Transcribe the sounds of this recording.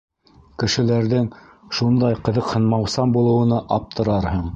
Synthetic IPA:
kɘ̆ʃɘ̆læɾðɘŋ | ʃund̪ɑjqɤ̆ðɤ̆qhɤ̆nmɑwsɑmbulˠɤ̆wɤ̆nɤʔɑp̚t̪ʰɤ̆ɾɑɾhɤɴ

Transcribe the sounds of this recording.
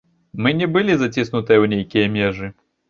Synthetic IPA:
mɨnʲɛbɨlʲizat͡sʲisnut̪ɨjɐwnʲejkʲijɐmʲɛʐɨ

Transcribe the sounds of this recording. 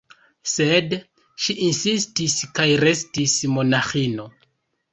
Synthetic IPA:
sed | ʃiʔinsistiskajɾe̞stismo̞naxino̞

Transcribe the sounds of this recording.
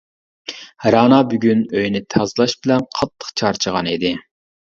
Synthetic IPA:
ɾɑːnɑbyɡʲynøjnɪt̪ʰɑzlˠɑʃbɪlɛnqʰɑt̪ʰːə̥qt͡ʃʰɑɾt͡ʃʰəʁɑnid̪ɪ

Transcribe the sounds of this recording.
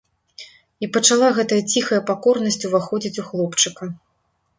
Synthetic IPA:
ipɐt͡ʂalˠaɣɛt̪ɐjɐt͡sʲixɐjɐpakɔrnɐsʲt͡sʲuvaxɔd͡zʲit͡sʲuxlˠɔpt͡ʂɨkɐ

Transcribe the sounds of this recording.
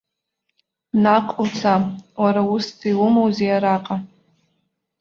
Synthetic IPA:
naqʷʼut͡sʰawaɾaustʰiwumowzijaɾaqʼa

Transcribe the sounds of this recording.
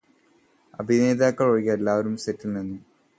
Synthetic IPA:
ɐ̰bʱine̞ːd̪aːkːɐɭoɻikːɐelːaːʋɐɾumsetːilnenːu

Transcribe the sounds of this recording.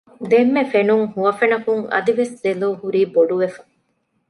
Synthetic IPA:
d̪emːefenuŋhuʋɐfenɐkuŋɐ̰d̪iʋeszeloːhuɾiːboɖuʋefɐ̥

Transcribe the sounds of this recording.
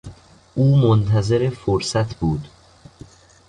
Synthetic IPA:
ʔuːmont̪ʰæzeɾe̞foɾsæt̪ʰbuːd̪

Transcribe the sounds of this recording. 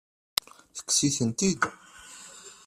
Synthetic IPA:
θə̥kːsiθənt̪id̪

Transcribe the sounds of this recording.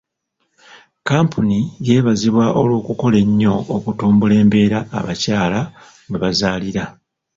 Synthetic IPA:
kaːmpʰunije̞ːβaziβwaʔo̞lwo̞ːkuko̞le̞ɲːo̞ːkutuːmbule̞ːmbe̞ːɾa̰ːβacaːla | ŋweβazaːliɾa

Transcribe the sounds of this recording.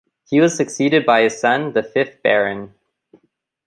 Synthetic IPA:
hiwʌz̥sɨksiɾɨd̚baɪɨ̥sʌ̃nðɨfɪθb̥ɛɹɨ̃n

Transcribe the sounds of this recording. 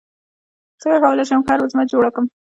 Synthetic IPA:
t͡səɡaxawəlaʃamxɑɾozmad͡ʒoɽakəm

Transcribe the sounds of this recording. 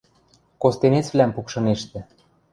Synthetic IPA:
kost̪enet͡sβlʲæmpukʃɤ̆neʃt̪ɘ̆

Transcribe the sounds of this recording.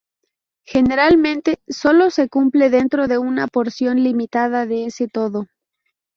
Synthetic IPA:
xe̞ne̞ɾalmẽ̞nt̪e̞so̞lo̞se̞kumple̞ðe̞nt̪ɾo̞ðe̞unapo̞ɾsjo̞nlimit̪aðaðeese̞t̪o̞ðo̞

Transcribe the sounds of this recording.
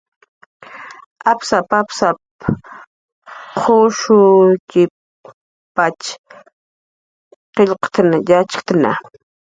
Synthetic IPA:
apsapapsap | qʰoʃʊkɪ | pat͡ʃ | qeʎqt̪anajat͡ʃkt̪ana̰

